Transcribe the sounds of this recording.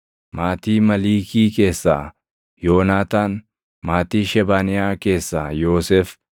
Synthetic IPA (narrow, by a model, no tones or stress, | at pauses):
maːt̪iːmɐliːkiːke̞ːsːa̰ː | joːnaːt̪aːn | maːt̪iːʃɛbaːnɪjaːke̞ːsːaːjoːsɛːf